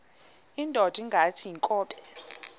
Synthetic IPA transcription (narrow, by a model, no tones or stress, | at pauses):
indʼʱɔd̥ʱiŋɡʱatʰiiŋkʼɔːpʼɛ̥